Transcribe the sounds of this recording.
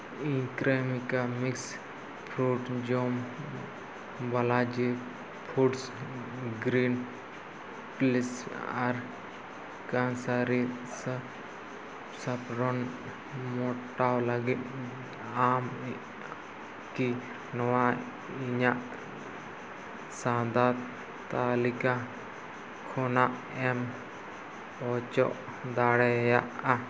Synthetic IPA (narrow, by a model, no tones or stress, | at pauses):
ikɾamikamiks | pʰɾuʈd͡ʒom | balad͡ʒi | pʰuʈs | ɡɾin | plisa̰ɾ | kansaɾisə | sapɾɔn | mɔʈawlaɡit̪ | am | ki | nɔwa | iɲaʔ | sãːd̪at̪ | t̪aːlika | kʰɔnaʔ | ɛm | ɔt͡ʃɔʔ | d̪aɽɛjaʔa